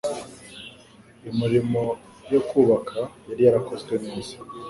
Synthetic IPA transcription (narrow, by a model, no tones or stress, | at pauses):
imiɾimo̞ | jokuːβakʰajaɾijaɾako̞zɡweniːsi̥